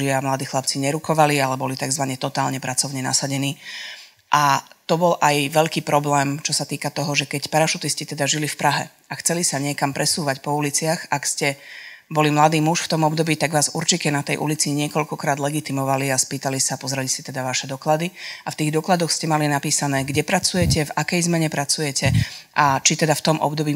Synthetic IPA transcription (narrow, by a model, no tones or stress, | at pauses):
ɪamlad̪iːxlap̚t͡siɲɛɾukɔʋalialɛbɔlit̪aɡzʋaɲɛt̪ɔt̪aːlɲɛpɾat͡sɔʊɲɛna̰saɟɛniː | ʔat̪ɔbɔlʔajʋɛʎkiːpɾɔblɛːmt͡ʃɔsat̪iːkat̪ɔɦɔʒɛkɛcpaɾaʃut̪iscit̪ɛd̪aʒilifpɾʔaɦɛ̰ | axt͡sɛlisaɲɪɛkampɾɛsuːʋacpɔulit͡sɪaxakscɛbɔlimlad̪iːmuʃft̪ɔmɔbd̪ɔbiːt̪aɡʋaːzuɾt͡ʃicɛnat̪ɛjʔṵlit͡siɲɪɛkɔʎkɔkɾaːd̪lɛɡit̪imɔʋaliaspiːt̪alisapɔzɾɛlisit̪ɛd̪aʋaʃɛd̪ɔklad̪iaft̪iːɣd̪ɔklad̪ɔxscɛmalinapiːsanɛːɡɟɛpɾat͡sujɛcɛvakɛjzmɛɲɛpɾat͡sujɛcʰɛʔat͡ʃit̪ɛd̪aft̪ɔmʔɔ̰bd̪ɔbiː